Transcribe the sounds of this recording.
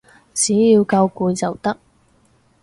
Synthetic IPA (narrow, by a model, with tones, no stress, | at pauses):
t͡siː˨˥jiː˧wkɐ˧wkuː˨˧jt͡sɐ˨˩wt̪ɐ˥k̚